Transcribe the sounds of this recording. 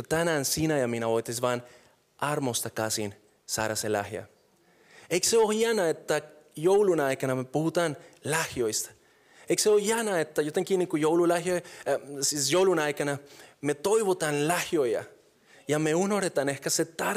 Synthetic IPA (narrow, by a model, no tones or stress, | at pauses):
at̪anansinajaminaojt̪esvaːn | aɾmost̪akasḭn | sa̰ːɾasela̰hja̰ | ejkseohjanaet̪ːa | jowlunajkanamepuhut̪anlahjojst̪ḁ | ejkseohjanaet̪ːajot̪eŋkinikujowlulahjojsisjowlunajkanamet̪ojβot̪anlahjoja̰ | jameunoɾet̪anehkaset̪a